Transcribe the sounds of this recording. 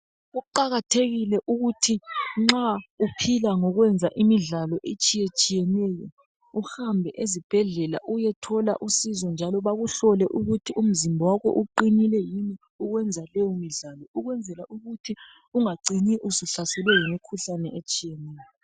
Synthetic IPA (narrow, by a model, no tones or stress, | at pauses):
ɣuǃaɣatʰeɣilɛʔuɣutʰiŋ͡ǁaupʰilaŋɔɣwɛnd͡zʱaʔimiɮalɔʔet͡ʃʼijet͡ʃʼijɛnɛjɔ | uhambʱɛʔezib̥ʱɛɮɛla̰ʔujɛtʰɔla̰ʔusizɔnd͡ʒʱalɔβaɣuɬɔlɛʔuɣutʰium̩zimbʱɔwakɔ̰ʔuǃinilɛjini | uɣwɛnd͡zʱalɛjɔmiɮalɔuɣwɛnd͡zʱɛlaʔuɣutʰi | uŋaǀiniʔusuɬasɛlwɛjimikʰuɬanɛet͡ʃʼijɛnɛːjɔ